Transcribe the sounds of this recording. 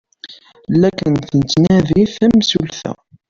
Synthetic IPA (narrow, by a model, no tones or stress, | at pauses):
lːækənθənət̪ːnæðiθæmsulθæ̰